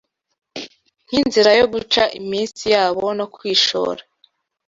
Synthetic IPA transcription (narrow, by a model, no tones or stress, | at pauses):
n̥hinziɾajoɡut͡ʃaʔimiːnsijaːβo̞no̞kwiːʃo̰ːɾa